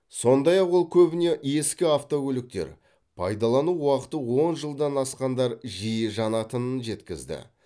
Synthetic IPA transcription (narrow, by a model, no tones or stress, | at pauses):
so̞nd̪ɑjɑqwo̞lˠkʲʰɵbɪne̞ʔe̞skʲɪaft̪o̞kʲɵlɪk̚t̪e̞̰ɾ | pʰɑ̰jd̪ɑlˠɑnuwɑqə̥t̪əwo̞nʒəlˠd̪ɑnɑsqɑnd̪ɑɾʒijəʒɑnɑt̪ənənʒe̞t̪kʲɪzd̪ɪ̰